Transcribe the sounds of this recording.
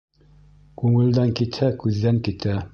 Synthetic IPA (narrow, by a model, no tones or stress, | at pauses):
kʉŋɘ̆ld̪æŋkit̪hækʉðːæŋkit̪æ